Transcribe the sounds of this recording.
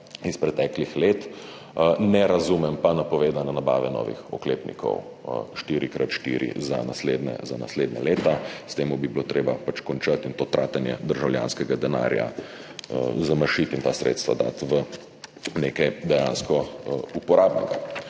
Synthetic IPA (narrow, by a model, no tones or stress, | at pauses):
ispɾɛt̪ɛklixleːt̪ | nɛɾazumɛmpanapɔʋeːd̪anɛnaba̰ːʋɛnɔ̰ːʋḭxɔ̰kleːpnḭkʰɔ̰w | ʃt̪iːɾikɾʔat̪ʃt̪ḭɾḭza̰nasleːd̪nɛ̰zana̰sleːd̪nɛleːt̪ast̪eːmubibilot̪ɾʔeːbapat͡ʃkɔnt͡ʃat̪int̪oːt̪ɾʔaːt̪anjɛ̰d̪əɾʒawlja̰ːnskɛɡad̪ɛna̰ːɾja̰ | zamɐɾʃit̪int̪asɾʔḛt̪st̪ʋad̪a̰ːt̪ʋə | neːkajd̪ɛjaːnskɔupɔɾaːbnɛɡa̰